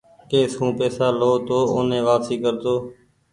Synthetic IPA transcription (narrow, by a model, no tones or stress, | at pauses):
keːsɦũːpɛːsaːloːt̪oːoːnẽːʋaːsiːkəɾt̪oː